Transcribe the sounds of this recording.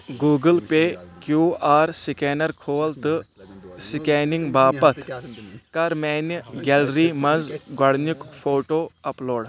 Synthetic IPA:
ɡuːɡəlpeːkjuːaːɾsikeːnɐɾkʰoːlt̪ɨsikeːniŋɡbaːpɐt̪ʰkɐɾmeːnɡelɾiːmɐnzɡɐɽnukpʰoːʈoːɐploːɽ

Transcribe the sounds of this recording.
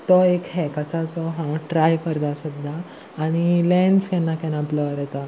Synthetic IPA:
t̪ɔekɦɛkəsat͡sɔɦãʈɾajkəɾd̪asəd̪ʱːaː | ɽ̃ilɛ̃ɳskɛ̃nːakɛ̃napləɾɛt̪a

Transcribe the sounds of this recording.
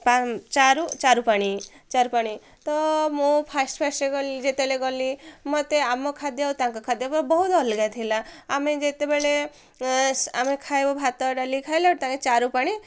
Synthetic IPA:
pat͡ʃaɾut͡ʃaɾupaɽ̃i | t͡ʃaɾupaɽ̃i | t̪ɔmupʰasʈpʰasʈeɡɔlid͡ʒet̪ebleɡɔlimɔt̪eamɔkʰad̪jawt̪ãŋkɔkʰad̪jabɔbɔɦut̪ɔlɡat̪ʰilaːmed͡ʒet̪ebeɭe | amekʰajbɔbʱat̪ɔɖalikʰajlɔɽt̪ãket͡ʃaɾupaɽ̃i

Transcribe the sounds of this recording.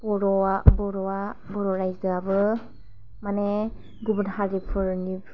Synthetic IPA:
b̥ɔɾɔabɔɾɔabɔɾɔɾajzɯabɯ | mane | ɡubənhaɾipʰɯɾnipʰ

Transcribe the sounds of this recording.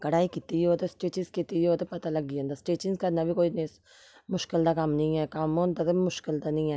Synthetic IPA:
kɐɽaːikit̪ioːt̪osʈeːt͡ʃɪskit̪ijoːt̪ɐpɐt̪alɐɡiẽːnd̪asʈeːt͡ʃɪŋzkanɐbʱikoːines | mʊʃkɪld̪akɐmnɐĩɛkɐmõnd̪ɐt̪mʊʃkɪld̪anɐĩɛː

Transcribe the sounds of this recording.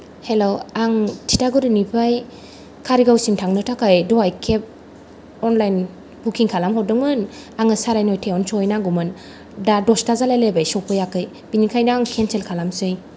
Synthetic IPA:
helowaŋtʰitaɡuɾɯnipʰaj | kʰaɾiɡawsintʰaŋnɯtʰakʰajdɔajkʰep̚ | ɔnlajn | bukʰiŋkʰalamɦɔwdɯŋmɯn | aŋɯsaɾajnɔjtʰeɔnsɔjnaŋɡumɯn | dadɔstazalajlebajsɔwpʰɯjakɯj | b̥inikʰajnaaŋkʰenselkʰalamsɯj

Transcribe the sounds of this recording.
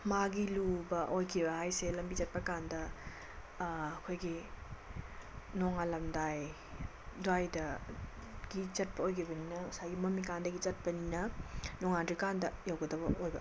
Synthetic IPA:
maɡilubɐʔojkʰibɐhajselɐmbit͡ʃɐt̚pɐkandɐ | kʰojɡi | noŋalɐmdaj | dajdɐ | ɡ̥it͡ʃɐt̚pɐojkʰibɐninɐusajɡimɐmik̬andɐɡit͡ʃɐt̚pɐninɐnoŋandikandɐjawɡɐdɐbɐojbɐ

